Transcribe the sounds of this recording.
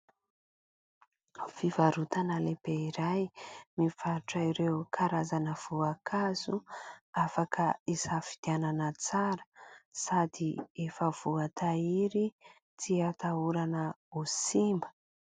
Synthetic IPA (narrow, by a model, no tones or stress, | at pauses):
fivaɾut̪anəlebeiɾajmiv̥aʈ͡ʂaiɾeukʰaɾazanəv̥uakʰazuafakʰəisafi̥d̪̥iananət͡saɾə̥sad̪iefəv̥uat̪ʰaiɾi | t͡siat̪auɾanəusimbə̥